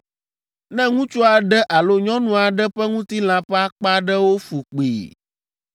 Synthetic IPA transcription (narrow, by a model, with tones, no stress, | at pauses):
nɛ̃˦ŋũ˦t͡ʃo˦a˨ɖɛ˦ʔa˨lo˦ɲɔ̃˦nũ˨a˨ɖɛ˦ɸɛ˦ŋũ˦t̪i˦l̃ã˨ɸɛ˦a˦k͡pa˦ɖɛ˦wo˦fu˨k͡pḭ˨